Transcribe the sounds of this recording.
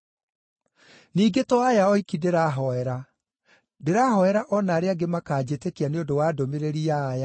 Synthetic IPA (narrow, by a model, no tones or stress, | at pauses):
niːɡetɔajaɔikindeɾaːɦɔɛɾa | deɾahɔɛɾaʔɔnaːɾeaɡemakaːd͡ʑetekeaneondowaːdomeɾeɾiaːja